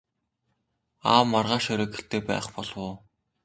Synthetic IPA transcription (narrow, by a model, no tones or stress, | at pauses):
a̰ːmːarʁaːʃœɾʲɔ̆ːkɘ̥̆ɬt̪eːpæ̰ːχpɔɮwʊː